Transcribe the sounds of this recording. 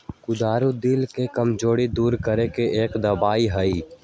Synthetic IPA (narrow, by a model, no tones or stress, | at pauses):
kʊd̪aːɾud̪ɪlkekɐmd͡ʒoːɽid̪uːɾkəɾekeʔeːkd̪ɐbaːiɦɐi